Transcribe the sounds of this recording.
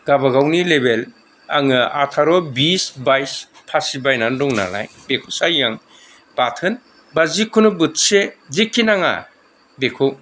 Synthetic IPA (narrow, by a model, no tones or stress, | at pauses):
ɡabaɡawnilebel | aŋɯa̰tʰaɾɔbisbajspʰasibajnandɔŋna̰la̰j | bekʰusajːaŋ | b̥atʰɯn | bazikʰunubɯt̚sezikʰːinaŋa̰ | bekʰɔw